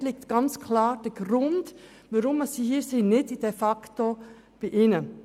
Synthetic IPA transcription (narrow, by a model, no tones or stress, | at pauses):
lɪk̚tɡ̥ɑnt͡skʰlɑːɾd̥əɡ̥ɾʊnd | ʋaɾʊməsiːhiːsinɪdid̥efɑkto | b̥iʔɪnə